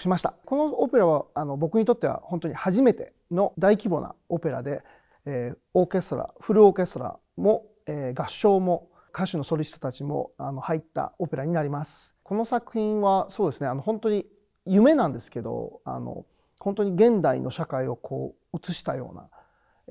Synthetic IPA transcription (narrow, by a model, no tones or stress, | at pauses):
ɕimaɕi̥t̪ako̞no̞ope̞ɾaβaano̞bo̞kɯ̟ɲ̟it̪o̞t̪ːe̞βa̰hont̪o̞ɲ̟ihaʑime̞t̪e̞ | no̞d̪aikʲibo̞̰na̰o̞pe̞ɾa̰d̪e̞ː | oːke̞st̪oɾa̰ɸɯ̟ɾɯ̟o̞ːke̞st̪oɾa̰ | mo̞ | eːɡaɕːo̞ːmo̞ | kaɕɨno̞so̞ɾʲist̪ot̪at͡ɕimo̞̰ano̞hait̪ːa̰o̞pe̞ɾaɲ̟inaɾʲimasɨ̥ | ko̞no̞sakɯ̟çĩɰ̃βaso̞ːd̪e̞sɨne̞ano̞hõ̞nt̪o̞ɲ̟i | jɯ̟me̞nãnd̪e̞sɨ̥ke̞d̪o̞̰a̰no̰ | hont̪oɲ̟iɡẽ̞nd̪aḭnʔo̞ɕakaio̞kʰo̰ː | ɯ̟t͡sɨɕi̥t̪ajo̞̰ːna̰